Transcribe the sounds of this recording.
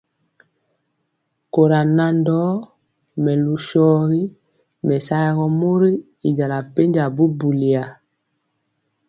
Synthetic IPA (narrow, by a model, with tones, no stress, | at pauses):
ko˨ɾa˨na˨ndɔ˦ | mɛ˨lu˨ʃɔː˦ɣi˦ | mɛ˨sa˦ɣɔ˨mo˦ɾi˦ | i˨ɟa˨la˨pe˦ɲd͡ʒa˨bu˦bu˨li˨a˨